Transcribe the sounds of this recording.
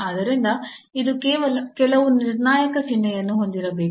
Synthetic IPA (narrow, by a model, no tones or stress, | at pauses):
ɐd̪ɐɾind̪ɐid̪ukeːʋɐlɐkɛlɐʋuniɾnaːjɐkɐsinːɐjɐnːuɦo̞nd̪iɾɐbeːk